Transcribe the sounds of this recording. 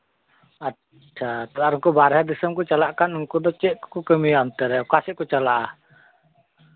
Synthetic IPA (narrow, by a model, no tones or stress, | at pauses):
a | dat̪əaɾŋkubaɾɦadisəmkut͡ʃalaʔkanŋkudət͡ʃiʔkukəmiant̪əɾɛkasɪʔkut͡ʃalaʔ